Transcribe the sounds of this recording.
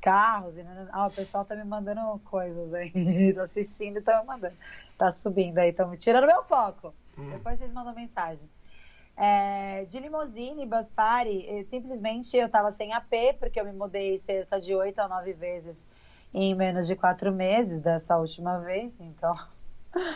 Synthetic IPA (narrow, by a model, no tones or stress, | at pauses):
kaɦʊzĩnɐ̃aʊpesuawt̪amɪmɐ̃d̪ɐ̃nd̪ʊkojzɐzait̪aasist͡ʃĩnd̪ʊit̪amɪmɐ̃nd̪ɐ̃nd̪ʊt̪asubĩnd̪ʊaĩt̪ɐ̃w̃mt͡ʃiɾɐ̃nd̪ʊmewfɔkʊd̪epojsezmɐ̃nd̪ɐ̃w̃mẽsaʒẽj̃ | ɛd͡ʒɪlimozĩnɪbɐspaɾɪɛsĩplizmẽt͡ʃɪewt̪avɐsẽj̃apepʊɾkeewmɪmud̪ejseɾkɐd͡ʒɪojt̪ʊanɔvɪvezɪz | ẽj̃mẽnʊzd͡ʒɪkwat̪ɾʊmezɪsd̪ɛsɐut͡ʃimɐvesẽt̪ɐ̃w̃